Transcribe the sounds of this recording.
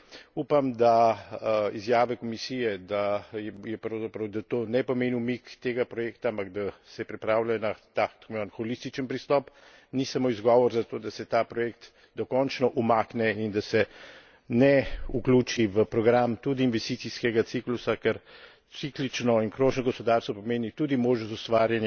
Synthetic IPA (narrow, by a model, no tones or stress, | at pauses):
upamd̪a | izjaːʋɛkɔmisiːjɛd̪ajɛpɾɔwzapɾɐwd̪at̪onɛpɔmeːniwmikt̪eːɡapɾɔjeːkt̪aampaɡd̪asɛpɾipɾaːwlajɔnat̪akt̪kmanxɔlist̪it͡ʃənpɾist̪ɔːp | nisamoːizɡɔːʋɔɾzat̪oːd̪asɛt̪apɾɔjekt̪ | d̪ɔkɔnt͡ʃnɔʔumaːknɛind̪asɛ | nɛuklʲuːt͡ʃiʋəpɾɔɡɾamt̪ud̪iːnʋɛst̪it̪siskɛɡat̪siklusakɛɾ | siklit͡ʃnɔinkɾoːʒnɔɡɔspɔd̪aːɾst̪ʋɔpɔmeːnit̪uːd̪imoːʒnɔst̪ust̪ʋaːɾjanj